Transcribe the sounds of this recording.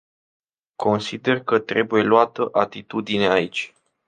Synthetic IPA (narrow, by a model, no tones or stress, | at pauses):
kʰo̞nsid̪e̞rkət̪ɾe̞buje̞luat̪əʔat̪it̪ud̪ineait͡ʃʲ